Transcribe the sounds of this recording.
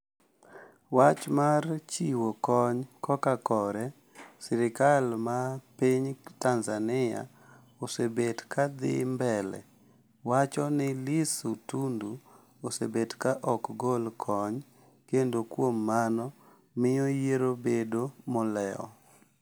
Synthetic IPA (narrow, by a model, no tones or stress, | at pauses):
wat͡ʃmart͡ʃiwokɔɲkɔkakɔɾɛ | sɪɾɪkalmapiɲtanzanɪa̰ | osebedkad̪ɪ̰mbɛlɛ̰ | wat͡ʃɔnɪlisutundu | osḛbedkaʔɔkɡolkʰɔɲ | kendokwomːanɔ | mɪɔjeɾobedomɔlɛɔ̰